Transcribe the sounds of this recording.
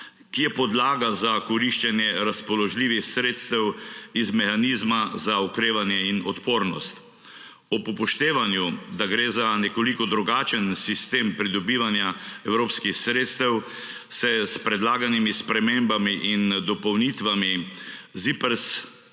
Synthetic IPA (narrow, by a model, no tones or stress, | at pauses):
kijɛpɔd̪laːɡazakɔɾiʃt͡ʃɛnjɛɾaspɔlɔʒliːʋixsɾeːt̪st̪ɛwizmɛxaniːzmazaɔkɾeːʋanjɛinɔt̪poːɾnɔst̪ | ɔpɔpɔʃt̪eːʋanjud̪aɡɾeːzanɛkɔlikɔd̪ɾuɡaːt͡ʃənsist̪eːmpɾid̪ɔbiːʋanjaɛwɾoːpskixsɾeːt̪st̪ɛw | sɛspɾɛd̪laːɡanimispɾɛmeːmbamiʔind̪ɔpɔwnit̪ʋamizipəɾs